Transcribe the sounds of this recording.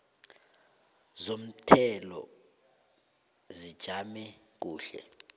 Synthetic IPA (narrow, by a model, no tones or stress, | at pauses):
zom̩tʰɛlɔ̰ | zid̥ʒ̥ʱamɛ | k̬uːɬɛ̰